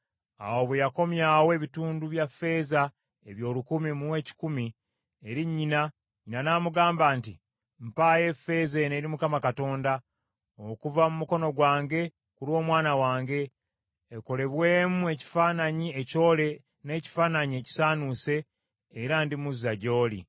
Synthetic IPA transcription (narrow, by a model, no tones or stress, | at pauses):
a̰wo̞βwejako̞mjaːwe̞ːβituːnduβjafːe̞ːza | eβjo̞ːlukumimuwe̞ːci̥kumi | eɾiɲːina | ɲinanaːmuɡaːmbaːnti | m̩paːje̞fe̞zeneɾimukamakato̞ːnda | okuvamumuko̞no̞ɡwaːŋɡe̞ | kulo̞ːmwaːnawaːŋɡe̞ː | ko̞le̞βwe̞ːmue̞ci̥faːnaɲie̞co̞ːle̞ | ne̞ːci̥faːnaɲie̞ci̥saːnuse̞ː | ɾandimuzaɟo̞ːlḭ